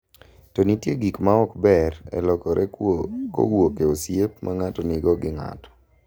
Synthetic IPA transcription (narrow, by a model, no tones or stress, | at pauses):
tɔnitjeɡikmaɔkbɛɾɛ̰lɔkɔɾɛko̰wokeosjep̚mʔaŋatɔniɡɔɡɪŋa̰tɔ̥